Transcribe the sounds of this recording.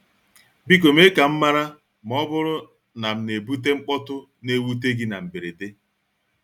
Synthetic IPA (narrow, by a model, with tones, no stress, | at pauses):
bi˦k̬o˨me˦ka˨m̩˦ma˦ɾa˦ | m̩˨ɔ˦bʊ˦ɾʊ˦ | na˨m̩˨˦ne˨bu˦t̬e˦ŋ͡m̩˦k͡pɔ˦tʊ˦ | ne˦wu˦t̬e˦ɡɪ˦na̰˨m̩˨be˨ɾe˨de˦